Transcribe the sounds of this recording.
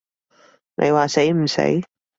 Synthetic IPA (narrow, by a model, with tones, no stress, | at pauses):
nʔḛ˨˧jwaː˨se˨˥jm̩˨˩sḛ˨˥j